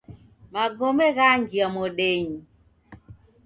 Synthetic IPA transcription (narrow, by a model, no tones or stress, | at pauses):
maɡɔmɛɣaŋɡiamɔɗeɲi